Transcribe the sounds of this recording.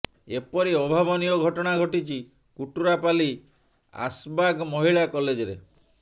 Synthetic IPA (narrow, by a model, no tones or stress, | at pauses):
epɔɾiɔbʱabɔniɔɡʱɔʈɔɽ̃aɡʱɔʈit͡ʃi | kuʈuɾapali | a̰sbaɡmɔɦiɭakɔled͡ʒɔɾe